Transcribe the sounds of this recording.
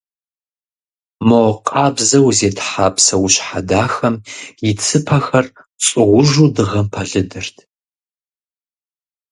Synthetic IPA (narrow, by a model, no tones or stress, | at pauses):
moqʼaːbzɐwzeːtʰħaːpsɐwʊɕħadaːxɐmjɪt͡sʰɨpʰɐxɐr | t͡sʼɨʁʷʊʒuːdɨʁɐmpʰɐɮɨdɨrtʰ